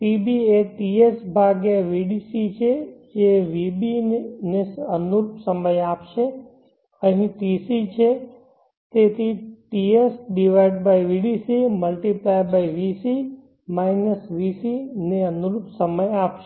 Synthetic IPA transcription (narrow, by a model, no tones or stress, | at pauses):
ʈibieʈiesbʱaɡeʋiɖisit͡ʃʰed͡ʒeʋibinesənuɾupsəməjapʃe | əɦĩʈisit͡ʃʰe | t̪et̪ʰiʈiesɖiʋaiɖbajʋiɽisiməlʈiplajbajʋisi | majnəsʋisineənuɾupsəməjapʃe